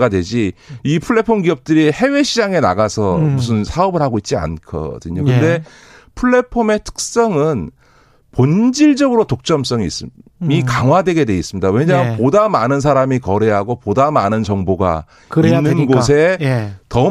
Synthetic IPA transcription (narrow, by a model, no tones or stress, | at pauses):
ɡadwe̞d͡ʑiipʰuɭːe̞pʰoŋɡiʌp̚t͈ɯɾihe̞we̞ɕʰid͡ʑaŋe̞na̰ɣasʰʌmus̬ʰɯnsʰaʌbɯɭhaɡoit̚t͡ɕ͈ia̰nkʰʌ̰dɯɲoɲkɯnde̞ | pʰɯɭːe̞pʰome̞tʰɯ̥k̚s͈ʌŋɯn | pond͡ʑiɭd͡ʑʌɡɯɾotok̚t͡ɕ͈ʌms͈ʌŋiːs͈mikaŋɦwadwe̞ɡe̞dwe̞is͈ɯmɲidawe̞ɲampodamanɯns̬ʰaɾamikʌɾe̞ɦaɡopodamanɯnt͡ɕʌŋboɡa̰ | inːɯnɡosʰe̞tʌ